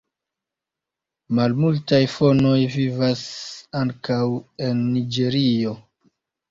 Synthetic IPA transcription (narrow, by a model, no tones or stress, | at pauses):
malmultajfo̞no̞jvivasaŋkawe̞nːid͡ʒe̞ɾio̞